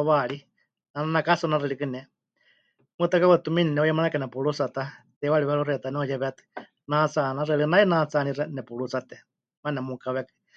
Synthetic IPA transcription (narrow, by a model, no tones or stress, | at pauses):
βaɺi | nananakasunaɾɛɺikɨnɛ | mɨt̪akawɛt̪uminɛnɛɔjɛmanakanɛpuɺusat̪at̪ɛwaɺiβɛɺuɾɛt̪anɛɔjɛβɛt̪ɨ̥ | nat͡sanaɾɛɺɨnainat͡saniɾɛnɛpuɺut͡sat̪ɛ | manɛmukaβɛkɨ̥